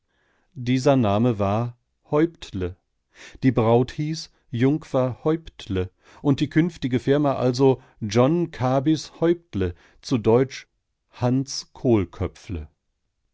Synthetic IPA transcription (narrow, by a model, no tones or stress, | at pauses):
diːzɐnaːməvaːɐ | hɔʏptʰlə | d̥iːbʁaʊthiːs | jʊŋkfɐhɔʏptʰlə | ʔʊnt̚d̥iːkʰʏnftɪɡəfɪɐmaʔa̰lzo | d͡ʒɔnkʰaːbɪshɔʏptlə | t͡sudɔʏt͡ʃ | hant͡skʰoːlkʰœpp͡flə̰